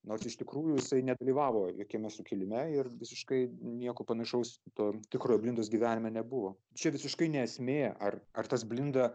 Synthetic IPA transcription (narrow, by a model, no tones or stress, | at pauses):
noːrsɪʃt̪ʲɪkɾuːjʊjɪsɐɪnʲɛd̪ɐlʲiːʋɑːʋoːjoːkʲɛmʲɛsʊkʲɪlʲɪmʲɛɪrʋʲɪsʲɪʃkɐɪnʲiɛkopɐnɐʃɐʊst̪oːt̪ʲɪkɾoːjoblʲɪnd̪oːsɡʲiːʋʲæːnʲɪmʲɛnʲɛbʊʋoː | t͡ʃʲɛʋʲɪsʲɪʃkɐɪnʲɛɛsʲmʲeːjɛʔɐrɐrt̪ɐsbʲlʲɪnd̪ɐ